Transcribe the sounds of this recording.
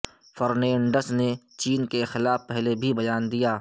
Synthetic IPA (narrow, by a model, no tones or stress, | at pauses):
fɐɾnɛ̃ːɳɖəsne | t͡ʃiːnkexɪlaːfpɛɦlebʱibɐjaːnd̪ijaː